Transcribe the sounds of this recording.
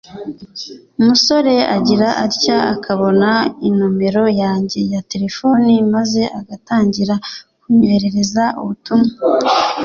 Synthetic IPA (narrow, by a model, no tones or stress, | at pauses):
umuso̞ɾe̞aɟiɾaʔaɾcaakʰaβo̞nainume̞ɾo̞jaːɲɟe̞jate̞ɾe̞fo̞nimaze̞ʔaɡataːɲɟiɾakuɲeɾe̞ɾe̞zaʔṵβutuma